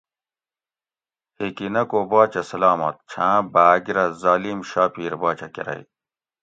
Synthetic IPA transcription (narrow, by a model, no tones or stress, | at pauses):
hikinɐkoːbaːt͡ɕɐsɐlaːmɐ̰t̪̚t͡ɕʰãːbaːɡiɾɐzaːliːmɕaːpiːɾbaːt͡ɕɐkḛɾɐ̰i